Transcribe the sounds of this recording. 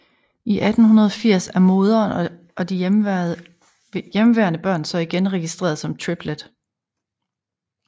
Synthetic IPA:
iʔæd̥n̩hunɐð̞ˠɒ̽fiɐ̰sæɐmo̝ːðˠɐn | ʔɒ̽d̥i | jemʋeɐnəb̥ɶɐ̰nsɒ̽iɡ̥enʁɛɡ̥isd̥ʁḛːɐðˠsɒ̽mt͡sʰʁib̥led̥

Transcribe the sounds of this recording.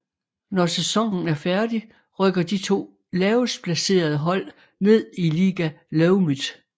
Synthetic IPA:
nɒsesɒ̽ŋ̰n̩æɐfæɐd̥i | ʁœɡ̥ɐd̥it͡sʰo̝̰ː | lɛːʊspʰlæse̝̰ːɐð̞ˠəɦɒ̽l̰ | ne̝ð̞̰ˠiliːɡ̥æleʊmið̥ˠ

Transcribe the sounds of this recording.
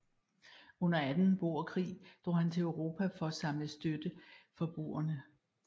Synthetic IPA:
ɔ̽n̰ɐæd̥n̩b̥o̝̰ːɐkʰʁḭːd̥ʁo̰ːhænt͡sʰe̝əʊʁo̝ːpʰæfɒ̽æsɑ̈mləsd̥ød̥əfɒ̽b̥ʁṵːɐnə

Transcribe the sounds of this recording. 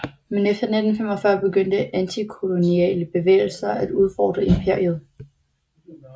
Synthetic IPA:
menefd̥ɐned̥n̩fem̰ɒ̽fɶɐb̥e̝ɡ̥øn̰d̥əʔænt͡sʰikʰo̝lo̝niɛ̰ləb̥e̝ʋḛːɪl̩sɐæd̥uð̞ˠfɒ̰ːd̥ʁɐe̝mpʰe̝ɐiəð̞ˠ

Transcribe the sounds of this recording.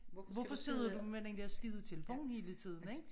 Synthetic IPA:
ʋɒfɒ̽se̝ð̞ˠɐdumen̰eŋd̥eɐsɡ̥iːð̞ˠət͡sʰeləfo̝̰ːn̩he̝ːlət͡sʰið̰ˠn̩eɡ̥

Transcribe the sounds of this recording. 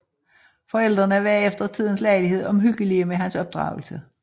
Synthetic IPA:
fɒ̽el̰d̥ʁɐnəæʋæɐ̰efd̥ɐt͡sʰið̰ˠn̩slɑ̈ɪliɦe̝ð̞̰ˠɒ̽mɦyɡ̥əliəmeɦænsɒ̽b̥̚d̥ʁɑ̈ʊl̩sə

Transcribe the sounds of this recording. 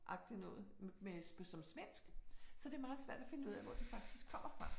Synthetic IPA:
ʔɑ̈ɡ̥̚d̥inɔ̽ːð̩ˠmespʰɔsɒ̽msmen̰sɡ̥sɒ̽d̥e̝ɐmɑ̈ːð̩ˠsʋæɐ̰d̥æfe̝nəuð̰ˠæ̰ʋɒ̰d̥ifɑ̈ɡ̥̚d̥isɡ̥̚kʰɒ̽m̰ɐfʁɑ̈

